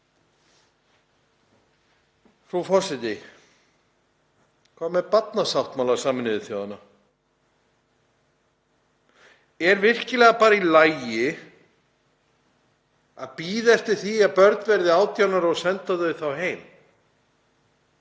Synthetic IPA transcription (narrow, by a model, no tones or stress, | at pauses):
fɾufɔsɪt̪ɪ | kʰɔːmɛpat̪̚nasawht̪mawlasaːmɪnɪðɪθjaːwðanːa | ɛɾvɪr̥cɪlɛːɣapaːɾailaːjɪ | aðpiːðɛft̪ɪ̥θiaðpœɾt̪nvɛɾðɪaːwt̪janaɾɔɣsɛnt̪aðʏvɪθawɦeːjm